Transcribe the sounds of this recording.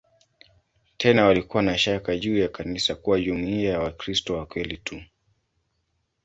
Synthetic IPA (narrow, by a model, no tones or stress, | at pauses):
tʰɛnawalikuwanaʃakaʄuːjakanisakuwaʄumuiajawakɾistɔwakwɛlitʰu